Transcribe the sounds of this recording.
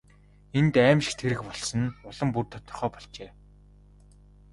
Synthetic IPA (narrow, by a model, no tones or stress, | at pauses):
ent̪æːmʃxt̪ʰeɾɘ̆kpɔɮsɞ̆nʊɮɞ̆mpurt̪ʰɔ̥t̪ɞ̆rχœːpɔɮt͡ɕeː